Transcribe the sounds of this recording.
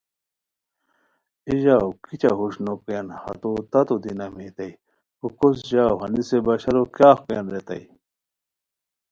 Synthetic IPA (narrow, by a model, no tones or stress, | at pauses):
iʑawkit͡ɕaɦuɕnokenhɐ̰t̪ot̪ɐt̪ud̪inɐmiːt̪ɐi | kukos̬ʑaːwɦɐnisebɐɕɐɾokjaːxkḛnɾet̪ɐ̰i